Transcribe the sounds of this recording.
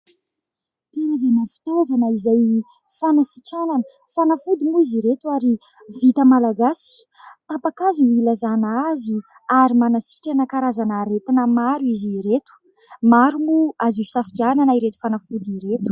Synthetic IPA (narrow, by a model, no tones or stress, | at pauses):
t̪enazanafi̥t̪ovanəizaj | fanasiʈ͡ʂananə | fanafud̪imuiziɾet̪uaɾi | vit̪əmalaɡasi̥ | t̪ampakazunilazanaazi | aɾimanasi̥ʈ͡ʂanəkaɾazanəɾet̪inəmaɾuiziɾet̪u̥ | maɾumuazui̥safit̪iananaiɾet̪u̥fanafud̪iɾet̪u̥